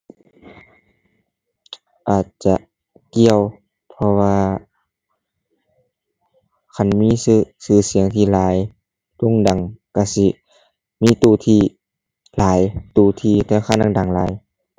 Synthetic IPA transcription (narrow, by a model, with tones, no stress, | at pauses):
ʔaː˨˩t̪̚t͡ɕa˧ʔ | ki˧əw | pʰɔ˧waː˧ | kʰa˧˩˨nmiː˧˥˨sɯ˧sɯː˧˩si˨˦əŋt̪ʰiː˧˩laː˨˦j | t̪u˧˥˨ŋda˨˩ŋka˧˩si˧ | miː˧˥˨t̪uː˧˩t̪ʰiː˧ | laː˨˦jt̪uː˧˩t̪ʰiː˧˩t̪ɛː˧xʰaː˧˥˨nda˨da˨˩ŋlaː˨˦j